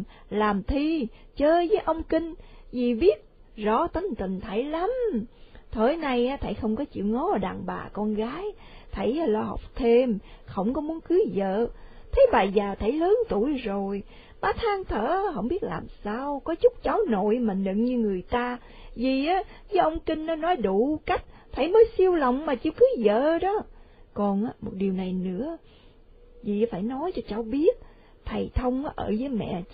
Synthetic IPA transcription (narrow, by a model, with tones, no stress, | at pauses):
laː˨˩mt̪ʰi˧ | t͡ɕəː˧˦zəː˨˦jʔə˧wŋ͡mkï˧ŋ̟zi˨˩ɓi˦˥ət̚ | zɔ̰˧˩˦t̪ə˨˦ŋt̪ï˨˩ŋ̟t̪ʰə˧˩jla˨˦m | t̪ʰəː˧˩jna˧jaː˨˦t̪ʰə˧˩jxə˧wŋ͡mkɔ˨˦t͡ɕḭ˧˨əwŋɔ˨˦˨ɗa̰ː˨˩ŋɓa̰ː˨˩kɔ˧nɣaː˨˦j | t̪ʰə˧˩jlɔː˧ɦə̰˨˩wk͡p̚t̪ʰe˧mxə˧˩wŋ͡mkɔ˨˦mu˨˦ənkɨ˨˦zə̰ː˧˨t̪ʰə˨˦jɓaː˨˩zaː˨˩t̪ʰə˧˩jləː˨˦nt̪u˧˩əjzo˨˩j | ɓaː˨˦t̪ʰaː˧ŋt̪ʰə̰ː˧˩˧ɦə˧wŋ͡mɓi˦˥ət̚la̰ː˨˩msaː˧wkɔ˨˦t͡ɕʊ˦˥k͡p̚t͡ɕaː˨˦wno̰˧˨jma˨˩nɲɨ̰˧˨nɲɨ˧ŋɨ˨˩əjt̪aː˧ | zi˨˩ʔaː˨˦zəː˨˦ʔə˧wŋ͡mkï˧ŋ̟nɔ˨˦nɔ˨˦jɗu˧˨ka˦˥jk̟̚fʰaː˧˩jməː˨˦jsi˧əwlə˧˨wŋ͡mmaː˨˩t͡ɕi˧˩wkɨ˨˦zə̰ː˧˨ɗɔ˨˦kɔ˨˩nʔaː˨˦mo˨˩t̚ɗi˨˩əwna˨˩jnɨ̰˧˥ə | zi˨˩˨faː˧˩jnɔ˨˦jt͡ɕɔ˧t͡ɕaː˨˦wɓi˦˥ət̚ | t̪ʰa˨˩jt̪ʰə˧wŋ͡mʔaː˨˦ʔəː˧˩zəː˨˦jmɛ̰˧˨